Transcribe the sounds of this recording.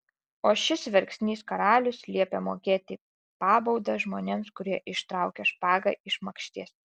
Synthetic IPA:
oːʃʲɪsʋʲɛɾʲksʲnʲiːskɐɾɑːlʲʊslʲiɛpʲɛmoːkʲeːt̪ʲɪ | pɑːbɔʊd̪ɐʒmoːnʲeːmskʊɾʲiɛʔɪʃt̪ɾɑʊkʲɛʃpɑːɡɐ̰ʔɪʃmɐkʃʲt̪ʲiɛs

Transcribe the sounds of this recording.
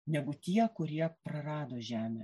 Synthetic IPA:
nʲɛɡʊt̪ʲiɛkʊɾʲiɛpɾɐɾɑːd̪oːʒʲæːmʲḛ

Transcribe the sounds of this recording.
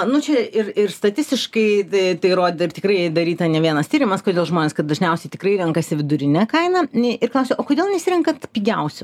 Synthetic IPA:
nʊt͡ʃʲɛɪrɪrst̪ɐt̪ʲɪsʲt̪ʲɪʃkɐɪt̪ɐɪt̪ɐɪɾoːd̪ʲɪɪrt̪ʲɪ̥kɾɐɪd̪ɐɾʲiːt̪ɐnʲɛʋʲiɛnɐstʲiːɾʲɪmɐskoːd̪ʲeːlˠʒmoːnʲeːskɐt̪̚d̪ɐʒʲnʲɛʊsʲɛɪt̪ʲɪkrɐɪɾʲɛŋkɐsʲɪʋʲɪd̪ʊɾʲɪnʲɛkɐɪnɐɪrklˠɐʊsʲɛʔoːkoːd̪ʲeːlˠnʲɛsʲɪɾʲɪŋkɐt̪pʲiːɡʲɛʊsʲʊ

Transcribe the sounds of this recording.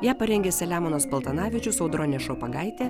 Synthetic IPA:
jæːpɐɾʲɛŋʲɡʲɛːsʲɛlʲæːmɔnospɐlˠt̪ɐnɑːʋʲɪt͡ʃʲʊsɒʊd̪ɾoːnʲeːʃopɐɡɑˑɪt̪ʲeː

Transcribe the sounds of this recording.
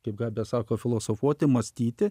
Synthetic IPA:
kɐɪp̚ɡɑːbʲɛsɑːkoːfʲɪlˠoːsoːfuɔt̪ʲɪmɐsʲt̪ʲiːt̪ʲɪ

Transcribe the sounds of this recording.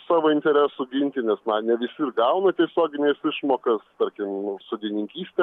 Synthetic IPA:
sɑːʋoːɪnʲt̪ʲɛɾʲæːsʊɡʲɪnʲt̪ʲɪnʲɛsnɐnʲɛʋʲɪsʲɪrɡɐʊnɐt̪ʲiɛsʲoːɡʲɪnʲeːsɪʃmoːkɐst̪ɐɾʲkʲɪmsoːd̪ʲinʲɪŋʲkʲiːsʲt̪ʲɛ

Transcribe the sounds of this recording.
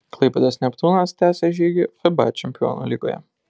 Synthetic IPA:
klˠɐɪpʲɛd̪ɐsʲnʲɛpt̪unɐst̪ʲæːsʲɛʒʲiːɡʲɪfɛba̰t͡ʃʲɛmʲpʲɪjo̰ːno̰lʲiːɡo̰ːjɛ̰

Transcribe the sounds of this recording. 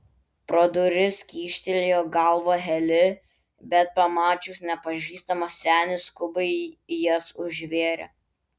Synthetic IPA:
pɾoːd̪ʊɾʲɪskʲiːʃʲt̪ʲɛlʲejoːɡɐlˠʋoːɦʲɛlʲɪ | bʲɛt̪̚pɐmɑːt͡ʃʲuːsnʲɛpɐʒʲiːst̪ɐmɐsʲsʲæːnʲɪskʊbɐɪjɛsʊʒʲʋʲeːɾʲɛ̰

